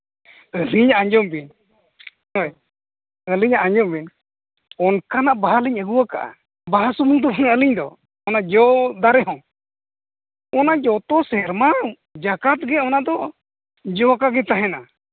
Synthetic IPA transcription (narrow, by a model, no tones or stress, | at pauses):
əliɲaʔaɲd͡ʒɔmbin | ɔj | əliɲaʔaɲd͡ʒɔmbin | ɔnkanaʔbaɦaliɲəɡuwaka̰ʔa̰ | baɦasumuŋd̪ɔbɔnaəliɲd̪ɔ | ɔnad͡ʒɔd̪aɾɛɦɔ̃ | ɔnad͡ʒɔt̪ɔsɛɾma | d͡ʒakat̪̚ɡɛɔnad̪ɔ | d͡ʒɔwakaɡɛt̪aɦɛna